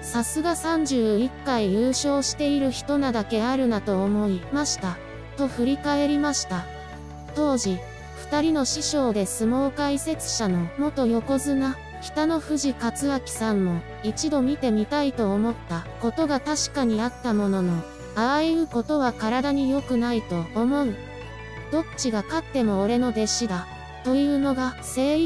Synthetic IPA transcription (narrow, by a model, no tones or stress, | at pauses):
sasɨɡasãɲ̟d͡ʑɨːikːaijɯːɕo̞ːɕi̥t̪e̞iɾɯ̟çi̥t̪o̞nad̪ake̞aɾɯ̟nat̪o̞ːmo̞imaɕi̥t̪a | t̪o̞ɸɯ̟ɾʲikae̞ɾʲimaɕi̥t̪a | t̪o̞ːʑi | ɸɯ̟̥t̪aɾʲino̞ɕiɕo̞ːd̪e̞sɨmo̞ːkaise̞t͡sɨ̥ɕano̞mo̞t̪o̞jo̞ko̞zɨna | çʲi̥t̪ano̞ɸɯ̟ʑikat͡sɨakʲi̥sãmːo̞ | it͡ɕid̪o̞mʲit̪e̞mʲit̪ait̪o̞ːmo̞t̪ːako̞t̪o̞ɡat̪aɕi̥kaɲ̟iat̪ːamo̞no̞no̞ | aβaiɯ̟ko̞t̪o̞β̞akaɾad̪aɲ̟ijo̞kɯ̟nait̪o̞ːmo̞ɯ̟ | d̪o̞kt͡ɕiɡakat̪ːe̞mo̞ːɾe̞no̞d̪e̞ɕid̪a | t̪o̞jɯ̟ːno̞ɡase̞ːɾʲ